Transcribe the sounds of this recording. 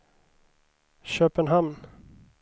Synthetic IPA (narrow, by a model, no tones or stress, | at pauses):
ɕøːpənɦamn